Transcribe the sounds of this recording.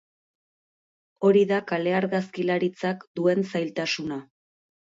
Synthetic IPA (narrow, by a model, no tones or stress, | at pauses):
o̞ɾiðakale̞aɾɣaskilaɾit͡sakd̪ue̞nsajlt̪asuna